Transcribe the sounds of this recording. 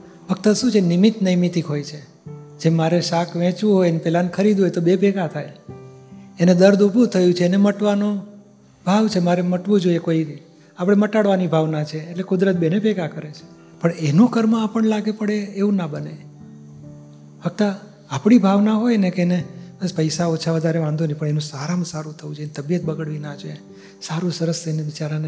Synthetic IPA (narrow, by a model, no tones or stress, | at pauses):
fʰək̚t̪aʃũt͡ʃʰenimit̪nəjmit̪ikɦojt͡ʃʰe | d͡ʒemaɾeʃakʋɛ̃t͡ʃũɦojnepɛlankʰəɾid̪ɦojt̪obepeɡat̪ʰaj | ened̪əɾd̪ubʱũt̪ʰəjũt͡ʃʰeːneməʈʋano | bʱaʋt͡ʃʰemaɾeməʈʋũd͡ʒoiekoiɾi | apɽ̃eməʈaɽʋanibʱaʋnat͡ʃʰeːʈlekʊd̪ɾət̪̚benepeɡakəɾet͡ʃʰe̥ | pəɳenũkəɾməapəɳlaɡepəɽeːʋũnabəne | fək̚t̪aː | pɳ̃ibʱaʋnaɦojnekeenebəspəjsaot͡ʃʰaʋəd̪ʱaɾeʋãnd̪ʱonepəɳenũsaɾamsaɾũt̪ʰəũd͡ʒent̪əbjət̪̚bəɡəɽʋinad͡ʒe | saɾũsəɾəseneʋit͡ʃaɾane